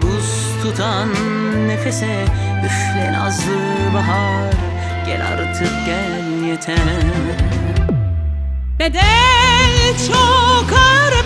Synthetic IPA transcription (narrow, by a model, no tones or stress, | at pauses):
buz | t̪ʰut̪ʰa | nː | efesɛ | yʃlɛna̰zɯ | baɦa | ɾ | ɟ̥ɛ̰lʲa̰ɾt̪ʰɯp̚ɟɛ | ljɛt̪ʰɛ | d̪ed̪ɛ | t͡ʃʰokaɾ